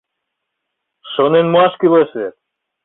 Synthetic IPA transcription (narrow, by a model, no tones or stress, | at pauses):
ʃonenmoɑʃkileset̪̚